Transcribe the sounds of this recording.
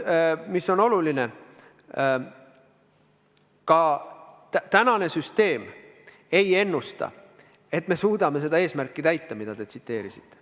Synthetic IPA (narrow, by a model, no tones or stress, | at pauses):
misːo̞no̞luline̞ | kɑtt̪ænɑne̞syst̪e̞ːm | e̞je̞nːust̪ɑ̰ | e̞t̪me̞suːd̪ɑme̞se̞d̪ɑeːsmærkːˑit̪æjt̪ːɑmid̪̥ɑd̪e̞t̪sit̪ːe̞ːɾisi̥t̪ːˑe̥